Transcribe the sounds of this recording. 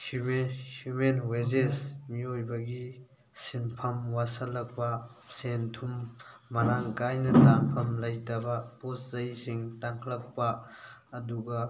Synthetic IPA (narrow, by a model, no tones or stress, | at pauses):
humehjumenwezesmiojbɐɡi | sinpʰɐmwasɐlːɐk̚pɐsentʰumːɐɾaŋkajnɐtaŋpʰɐmlɐjtɐbɐposzɐjsiŋtaŋkʰlɐk̚pɐː | duɡɐ